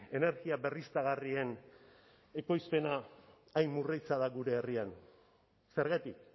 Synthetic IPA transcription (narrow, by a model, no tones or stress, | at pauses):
e̞ne̞ɾɣiabe̞rist̪aɣarie̞n | e̞ko̞jspe̞naː | jmmːurijt͡saðaɣuɾe̞ːrian | se̞ɾɣat̪ik̚